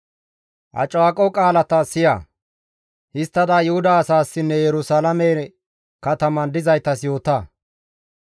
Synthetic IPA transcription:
ʔɐ̰t͡ʃʼwaːkʼɔkʼaːlɐt̪ɐsɪja̰ː | hɪst̪ːɐd̪aːjʊhʊd̪ɐːsaːsːɪnːɛjɛɾʊsɐlɐmɛ | kɐt̪ɐmɐnd̪ɪzɐjt̪ɐsjo̞ːt̪aː

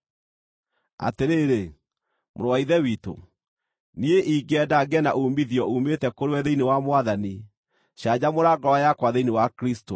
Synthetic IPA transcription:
a̰teɾeɾe | mo̰ɾowaiðɛwito̰ | nieʔiːɡɛdaɡɛna̰ʔuːmiðjɔuːmetɛkoɾwɛðeinewamwaðani | ɕad͡ʑamoɾaɡɔwajakwaðeinewakɾisto

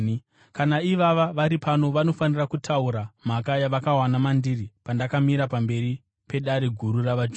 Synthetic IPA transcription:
kanaiʋaʋaʋaɾipano̞ʋano̞fanirakutʰauɾamakajaʋakawanamandiripandakamiɾapambe̞ɾi | pe̞ɗaɾe̞ɡʱuɾuraʋad͡ʒ

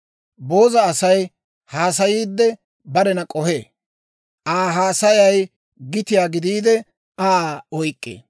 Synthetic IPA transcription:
bo̞ːzɐːsɐj | haːs̬ɐjiːd̪ːɛ | bɐɾɛnɐkʼɔhḛː | ʔaːɦaːsɐjɐj | ɡɪt̪ɪjaːɡɪd̪iːd̪ɛ | aːɔjkʼːḛː

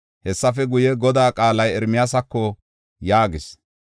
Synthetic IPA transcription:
hɛsːɐfɛɡʊjɛɡɔd̪aːkʼaːlɐjɛɾmɪjasɐkːɔ | jaːɡɪs

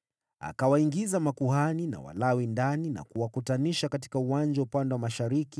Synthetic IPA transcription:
a̰kawaiŋɡizamakuhanina̰wa̰lawindanina̰kuwakutaniʃakat̬i̥kauwand͡ʒaupandɛwamaʃaɾiki

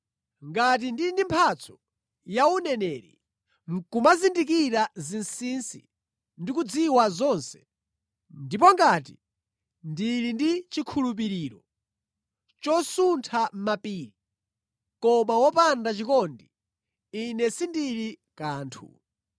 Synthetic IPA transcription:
ŋɡat̬indiindimpʰat͡sʰɔ̥ | jaunɛnɛːɾḭ | ŋkumazindik̬iɾazinsinsḭ | ndikud͡ziwazɔnsɛ̥ | ndip̬ɔŋɡati | ndilindit͡ʃikʰulup̬iɾiːɾɔ | t͡ʃɔsuntʰam̩mapiːɾi | kɔmawɔpandat͡ʃikɔndi | inɛsindiɾikaːntʰṵ

